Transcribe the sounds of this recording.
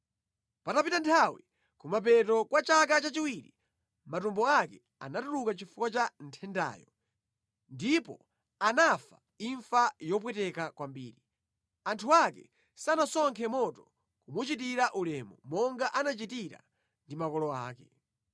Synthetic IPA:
patapitantʰawi | kumap̬ɛtɔkwat͡ʃak̬at͡ʃat͡ʃiwiɾḭ | matumbɔakɛ | a̰natuɾukat͡ʃifukwat͡ʃan̩tʰɛnda̰ːjɔ | ndipɔ̰ | anafa | iɱfajɔp̬wɛtɛkakwambiːɾi | antʰuakɛ̰ | sanasɔŋkʰɛmɔtɔ | kumut͡ʃitiɾaʔulɛmumɔŋɡaʔanat͡ʃitiɾa̰ | ndimakɔlɔa̰ːkɛ

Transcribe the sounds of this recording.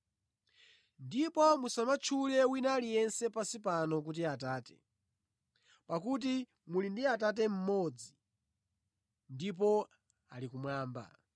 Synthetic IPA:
ndipɔmusamat͡ʃʰulɛwinalijɛnsɛpasipanɔk̬ut̬iataːtɛ̥ | pakut̬i | mulindiatat̬ɛm̩mɔd͡zi | ndip̬ɔ | alikumwaːmba̰

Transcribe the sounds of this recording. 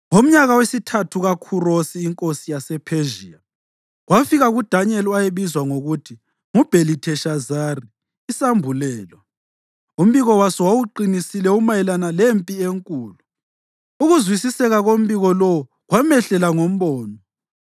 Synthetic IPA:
ŋom̩ɲaɣawesitʰatʰuɣakʰurosiːŋkʼosijasɛpʰeʒḭːa | ɣwafiɣaɣud̥ʱaɲɛlajeβizwaŋoɣutʰi | ŋub̥ʱelitʰɛʃazariː | sambʱulɛːlwa | um̩βiɣɔwasɔwawuǃinisilɛumajɛlanalempʼieŋkʼuːlu | uɣuzwisisɛɣaɣom̩βiɣɔlɔwu | ɣwamɛɬɛlaŋom̩βɔːnɔ

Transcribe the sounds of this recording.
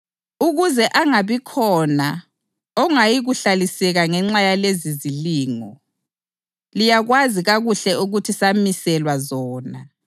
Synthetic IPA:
uɣuzɛʔaŋaβikʰɔna | ɔŋajiɣuɬalisɛɣaŋɛŋ͡ǁajaleziziliːŋɔ̰ | lijaɣwaziɣaɣuɬɛuɣutʰisamisɛlwazɔːna

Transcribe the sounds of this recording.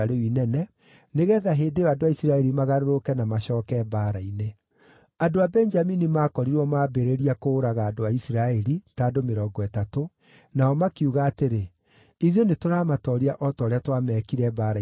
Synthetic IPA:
aɾewinɛnɛ | neɣɛːðaɦeːdejɔadoaisiɾaɛɾimaɣaɾoɾokɛnamaɕɔːkɛbaːɾaine | adoabɛɲd͡ʒaminimaːkɔɾiɾwɔmaːbeɾeɾiakoːɾaɣaːdoaisiɾaɛɾitaːdomeɾɔːɡɔɛtato | naɔmakiuɣaːteɾe | iðjonetoɾaːmatɔːɾiaʔɔtɔːɾeatwamɛːkiɾɛbaːɾa

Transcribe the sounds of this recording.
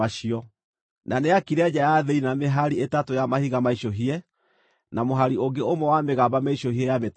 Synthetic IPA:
aɕiɔ | naneakiɾead͡ʑajaðeinameɦaɾietatojamahiɣamaiɕoɦiɛ | namoɦaɾioɡeomwɛwameɣabameiɕohiɛjamet

